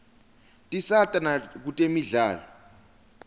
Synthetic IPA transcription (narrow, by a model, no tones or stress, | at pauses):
tʼisatʼanak̬utʼemiɮaːlɔ